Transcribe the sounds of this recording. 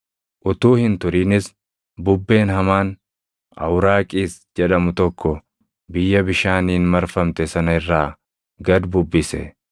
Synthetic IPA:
ʔʊt̪uːhɪnt̪ʊɾiːnɪs | bʊbːe̞ːnhɐmaːn | ʔɐ̰wɾaːkʼiːsd͡ʒɛᶑɐmʊt̪ɔkːɔ | bɪjːɐbɪʃaːniːnmɐɾfɐmt̪ɛsɐnɐɪrːaː | ɡɐd̪bʊbːɪsɛ̰

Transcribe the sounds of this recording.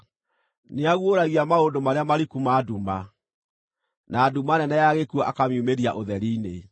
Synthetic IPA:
neaɣwoɾaɣiamaondomaɾeamaɾikumaːduma | naːdumanɛnɛjaɣekuɔʔakamjumeɾia̰ʔoðɛɾiːne

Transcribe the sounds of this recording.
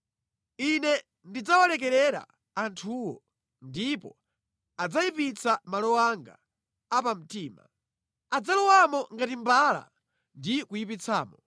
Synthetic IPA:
inɛ | ndid͡zawalɛk̬ɛɾɛɾa̰ː | ntʰuwɔ | ndipɔ | ad͡zaipit͡samalɔwaŋɡa̰ː | pam̩tiːma̰ | ad͡zalɔwamɔŋɡatimbala̰ | ndikujipit͡sʰaːmɔ

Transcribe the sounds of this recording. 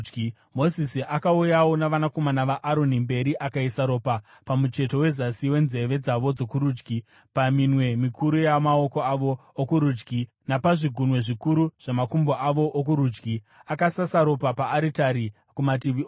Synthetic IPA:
mo̞zisiʔakaujawo̞naʋanako̞manaʋaʔaɾo̞nimbe̞ɾiʔakaisaɾo̞pa | pamut͡ʃe̞to̞we̞zasiwe̞nze̞ʋe̞d͡zaʋo̞d͡zo̞kuɾuːd͡ʒɡi | paminwe̞mikʰuɾujamaoko̞aʋoːkuɾud͡ʒɡi | napaʐiɡʱunwe̞ʐikuɾuʐ̥amakumboʔaʋo̞ʔːk̬uɾuːd͡ʒɡi | akasasaɾo̞papaːɾitaɾi | kumatiʋio

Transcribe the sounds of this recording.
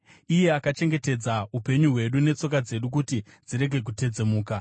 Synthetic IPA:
ije̞akat͡ʃe̞ŋɡe̞te̞d͡zaupe̞ɲuɦwe̞ɗune̞t͡so̞k̬ad͡ze̞ɗuk̬uti | d͡ziɾe̞ɡʱe̞k̬ute̞d͡ze̞muːka

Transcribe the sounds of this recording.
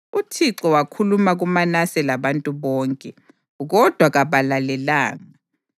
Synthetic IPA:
utʰiǁɔwakʰulumaɣumanasɛlaβantʼuβɔːŋkʼɛ | ɣɔd̥ʱwaɣaβalalɛla̰ːŋa

